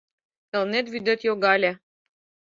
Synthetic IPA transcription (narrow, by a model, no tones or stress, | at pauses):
kə̆lˠnet̪βyd̪ɘ̆t̪joɡɑlʲĕ